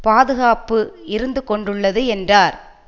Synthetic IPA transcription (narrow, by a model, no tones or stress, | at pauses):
paːðɯɣaːpɯɪɾɯnd̪ɯkɔɳɖɯɭːɐðɯɛndraːɾ